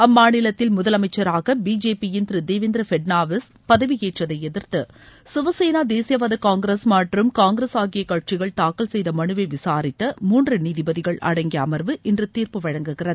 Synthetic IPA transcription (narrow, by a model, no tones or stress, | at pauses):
ɐmːaːnɪlɐt̪ːɪlmʊðɐlɐmɐɪt͡ʃːɐɾaːɣɐbiːd͡ʒeːpijɪnd̪ɾɯd̪eːʋɪnd̪ɾɐfɛɖnaːʋɐs | pɐðɐʋɪjeːʈrɐðɐɪɛðɪɾt̪ɯ | sɪʋɐseːnaːd̪eːsɪjɐʋɐðɐkaːŋɡɾesmaːʈrɯmkaːŋɡɪɾɐsaːɣɪjɐkːaːʈ̚t͡ʃɪɣɐɭt̪aːkɐlsɛjðɐmɐɳɯʋeʋɪsaːɾɪt̪ːɐmuːndrɯniːðɪbɐðɪɣɐɭʔɐ̰ɽɐŋɡɪɐmɐɾʋɯʔɪndrɯt̪iːrpɯʋɐɻɐŋɡɯɣɪrɐðɯ